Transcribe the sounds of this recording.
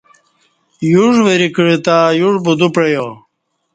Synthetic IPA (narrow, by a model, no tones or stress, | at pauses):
juʐʋeɾikɻit̪aːjuʐbud̪upɻejo